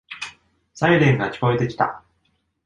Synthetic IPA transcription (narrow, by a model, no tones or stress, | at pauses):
saiɾẽ̞ŋɡakʲi̥ko̞et̪e̞kʲi̥t̪a̰